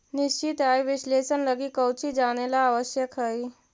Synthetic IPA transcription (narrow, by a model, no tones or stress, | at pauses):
nist͡ʃit̪ajʋislesənləɡikəwt͡ʃʰid͡ʒanelaːʋəʃjəkɦəi